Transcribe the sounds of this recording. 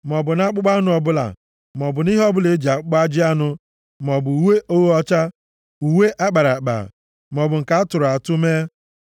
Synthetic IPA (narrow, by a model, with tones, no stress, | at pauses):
m˨ɔ˨bʊ˨na˦k͡pʊ˦ɡ͡ba˦nʊ˦ɔ˨bʊ˦la̰˨ | m˨ɔ˨bʊ˨ni˦ɦɔ˦bʊ˦le˨˦d͡ʒa˨k͡pk͡pa˦d͡ʒɪ˦a˦nʊ˦ | m˨ɔ˨bʊ˨u˨we˦ʔo˦wɔ˦t͡ʃa˦ | u˨we˦ʔa˦k͡pa˨ɾa˨k͡pa̰˨ | m˨ɔ˨bʊ˨ŋ̩˨ka˨a˦tʊ˨ɾʊ˨a˨tʊ˦me˦